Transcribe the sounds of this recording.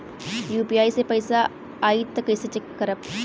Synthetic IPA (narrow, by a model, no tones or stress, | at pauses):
juːpiaːisepɐjsa | aːit̪ːɐkɐjset͡ʃekːəɾəp